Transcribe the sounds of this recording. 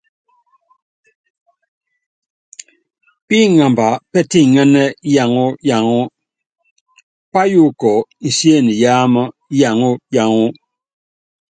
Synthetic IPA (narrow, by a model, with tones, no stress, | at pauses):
pi˦ŋa˨mba˨pɛ˦ti˦˨ŋɛ˦nɛ˦ja˨ŋu˦ja˨ŋu˦ | pa˦ju˦kɔ˨sje˦˨ni˨jaː˦mə˦ja˨ŋu˦ja˨ŋu˦